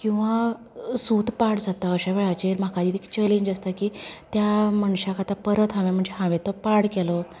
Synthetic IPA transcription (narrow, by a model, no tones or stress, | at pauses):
kĩw̃ʋa | suːt̪paɽd͡zat̪aəɕaʋeɭat͡ɕeɾm̤akad̪iːt̪ekt͡ɕəlĩɲd͡ʑəst̪akiːt̪jaməɳɕakat̪apəɾət̪ãʋẽm̤əɳd͡zeɦãʋẽt̪ɔpaɽkɛlɔ